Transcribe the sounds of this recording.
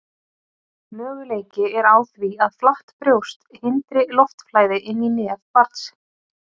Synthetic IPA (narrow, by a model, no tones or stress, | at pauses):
mœːɣʏleːjcɪɛɾaːwθviaðflaht̪pɾjowst̪hɪnt̪ɾɪlɔft̪flaːjðɪʔɪnːinɛːðpaɾt̪s